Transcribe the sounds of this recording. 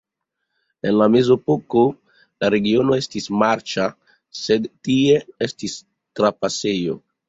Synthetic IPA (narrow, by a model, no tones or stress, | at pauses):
enlamezopoko | laɾeɡionoestismaɾt͡ʃa | sed̪tie̞estis | t̪ɾapasejo̰